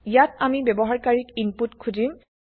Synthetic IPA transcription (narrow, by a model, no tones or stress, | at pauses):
ijatamibɛbɔɦaɹkaɹikinputkʰudim